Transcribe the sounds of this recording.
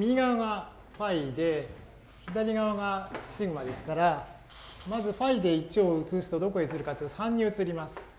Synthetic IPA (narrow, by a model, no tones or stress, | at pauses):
mʲiɡaβaɡa | ɸaid̪e̞ | çid̪aɾʲiɡaβaɡaɕiɡɯmad̪e̞sɨ̥kaɾa | mazɨɸaid̪e̞it͡ɕo̞ːɯt͡sɨːsi̥t̪od̪o̞ko̞et͡sɨɾɯ̟kat̪ːesãɲ̟ːiɯt͡sɨɾʲimasɨ̥